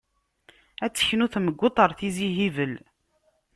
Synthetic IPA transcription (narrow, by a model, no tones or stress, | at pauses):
æt͡sːə̥çnuθməɡʷːot̪ˤəɾˤθiziɦivəl